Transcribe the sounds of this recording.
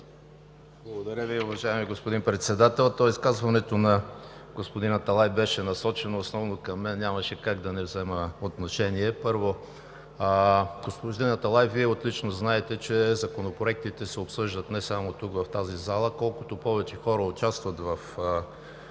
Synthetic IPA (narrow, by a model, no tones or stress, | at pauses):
blˠɐɡod̪ɐɾʲəviʊvɐʒaɛmiɡospod̪inpɾɛt̪sɛd̪at̪ɛlˠt̪ɔiskazvɐnɛt̪onɐɡ̥ospod̪inɐt̪ɐlˠajbɛʃɛnɐsɔt͡ʃɛnoːsnɔvnokɐmːɛnːʲamɐʃɛkaɡd̪ɐnɛvzɛməot̪noʃɛniɛpɤɾvo | ɡospod̪inɐt̪ɐlˠajviɛot̪lit͡ʃnoznaɛt̪ɛt͡ʃɛzɐkonopɾoɛk̚t̪it̪ɛsɛopsɤʒd̪ət̪nɛsamot̪ukvɐft̪azizalˠəkɔlˠkʊt̪opɔvɛt͡ʃɛxɔɾəʊt͡ʃast̪vɐt̪vɐf